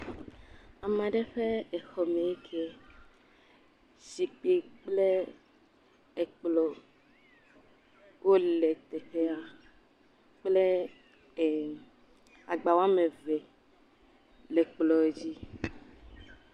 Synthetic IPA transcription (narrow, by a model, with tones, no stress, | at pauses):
a˨mã˨ɖe˦ɸe˦e˨xɔ˨mẽ˨e˦kʰe˦ | si˨k͡pe˦k͡ple˦ | e˨k͡plɔ˨ | wo˦le˨t̪e˨ɸe˦a˨ | k͡ple˦˨ | a˨ɡ͡ba˨wa˦mẽ˨ve˨ | le˨k͡plɔ˨e˦d͡ʑi˦